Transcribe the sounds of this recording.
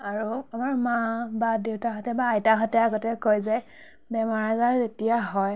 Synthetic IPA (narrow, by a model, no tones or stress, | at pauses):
aɹuamaɹmãbadewtaɦɔtɛbaːjtaɦɔtɛaɡɔtɛkojzɛ | bɛmaɹazaɹzetijaɦɔj